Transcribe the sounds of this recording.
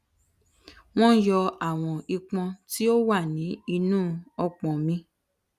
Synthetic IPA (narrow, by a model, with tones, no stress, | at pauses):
w̃ɔ̃˦jɔ˧a˨w̃ɔ̃˧i˧k͡pɔ̃˧ti˦o˦wa˦˨nĩ˨˦i˧nũː˦˨ɔ˧k͡pɔ̃˨mĩ˧